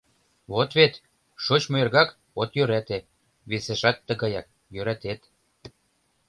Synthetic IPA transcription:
βot̪βet̪ | ʃot͡ɕmoerɣɑk | ot̪jøɾæt̪e | βeseʃɑt̪ːə̆ɣɑjɑk̚ | jøɾæt̪et̪

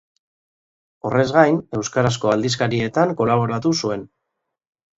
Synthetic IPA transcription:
o̞re̞zɣajne̞wskaɾasko̞ald̪is̬kaɾie̞t̪aŋko̞laβ̞o̞ɾat̪usue̞n

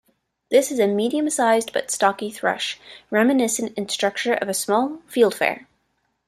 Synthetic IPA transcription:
ðɪsɨzɨmiɾiɨ̃msaɪzbʌ̰tstɑkiθɹʌ̰ʃɹɛmɨnɪsɨ̃ntɨ̃nstɹ̥ʌk̚t͡ʃə˞ʔʌ̰vɨsmɔlˠfilˠd̥fɛ̰ɹ

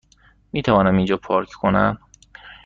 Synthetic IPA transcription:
miːt̪ʰævɒːnæmind͡ʒɒːpʰɒːɾkʰkʰonæm

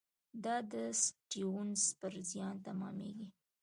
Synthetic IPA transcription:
d̪ɑd̪əsʈiwunspəɾzjɑnt̪amɑ̰mḛɡi

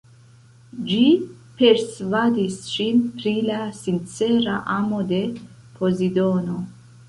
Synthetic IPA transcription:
d͡ʒi | pe̞ɾsvadisʃinpɾilasint͡se̞ɾa̰ʔamo̞de̞ | pʰo̞zido̞no̞

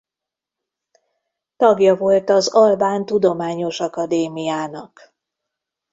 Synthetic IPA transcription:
t̪ɒɡjɒvo̞lt̪ɒzɒlbaːnt̪ud̪o̞maːɲo̞ʃɒkɒd̪eːmijaːnɒk

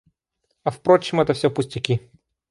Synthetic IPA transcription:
ɐfpɾot͡ɕɪmɛt̪əfsʲopʊsʲtʲɪkʲi

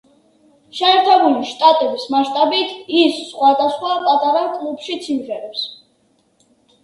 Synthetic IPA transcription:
ʃɛːɾt̪ʰɛbuliʃt̪ʼat̪ʼɛbismaʃt̪ʼabit̪ʰisːχwad̪asχwapʼat̪ʼaɾakʼlˠupʃit̪sʰimʁɛɾɛps

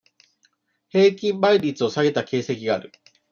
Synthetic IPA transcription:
he̞ːkʲĩmbaiɾʲit͡sɨo̞saɡe̞t̪ake̞ːse̞kʲiɡaːɾɯ̟

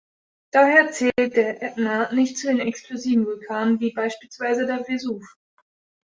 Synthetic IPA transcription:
d̥aːheːɐt͡sɛːlt̚d̥eːɐʔɛtnanɪçtt͡suːdeːnɛkskl̥oziːvn̩vʊlkʰaːnənviːbaɪʃpiːlsv̥aɪzədeːɐvezuːf

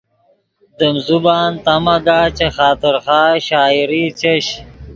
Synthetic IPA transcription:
d̪əmzubaːnt̪ɐmɐɡaːt͡ɕexaːt̪ɪɾxaːɕaːiɾit͡ɕeɕ

